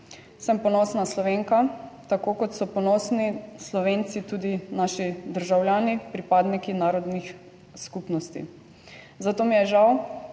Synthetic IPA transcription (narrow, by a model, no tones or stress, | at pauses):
səmpɔnɔsnaslɔʋeːŋkat̪akoːkɔt̪sɔpɔnɔːsnislɔʋeːnt̪sit̪uːd̪inaːʃid̪əɾʒawljaːnipɾipaːd̪nikinaːɾɔd̪nix | skupnɔst̪ḭ | zat̪oːmijɛʒaw